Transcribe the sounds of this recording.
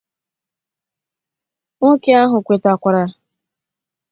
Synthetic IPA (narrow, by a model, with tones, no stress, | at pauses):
ŋo˦ke˦a˦ɦʊ˨kʷe˨ta˨kʷa˨ɾa˨